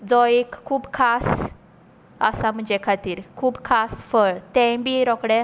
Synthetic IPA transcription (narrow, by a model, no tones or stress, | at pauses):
d͡zɔekʰːuːbkʰas | ə̰sam̤əɳd͡ʑekʰat̪iːɾkʰuːbkʰasfəɭt̪ɛ̃biɾɔkɽɛ